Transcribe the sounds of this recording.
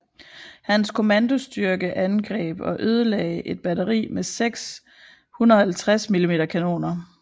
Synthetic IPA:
hænskʰo̝mænd̥o̝sd̥yɐɡ̥əʔænɡ̥ʁɛ̰ːb̥ɒʔøð̞ˠəlɛ̰ɪʔe̝d̥̚b̥æɾɐʁḭːmeseɡ̥s | hunɐhælt͡sʰʁasmilime̝ːdɐkʰæno̝̰ːnɐ

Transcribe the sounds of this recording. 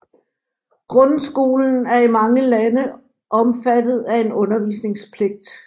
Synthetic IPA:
ɡ̥ʁɔ̽nsɡ̥o̝̰ːln̩æɐimɑ̈ŋəlænə | ʔɒ̽mfæd̥ð̞̩ˠæe̝nɔ̽nɐʋḭːsne̝ŋspʰle̝ɡ̥̚d̥

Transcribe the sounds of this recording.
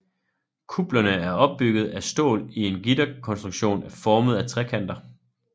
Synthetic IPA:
kʰub̥lɐnəæɐɒ̽b̥ːyɡ̥ð̞̩ˠæsd̥o̝̰ːlie̝nɡ̥id̥ɐkʰɒ̽nsd̥ʁuɡ̥ɕo̝̰ːnæɐfɒːməð̞̩ˠæt͡sʰʁɛkʰæn̰d̥ɐ

